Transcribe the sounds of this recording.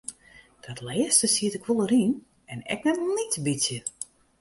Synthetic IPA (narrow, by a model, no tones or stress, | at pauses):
d̥ɔtlɛːstəsiətɪkʋolˠəɾin | ɛnɛ̰k̚nɛtlˠnitəbisjə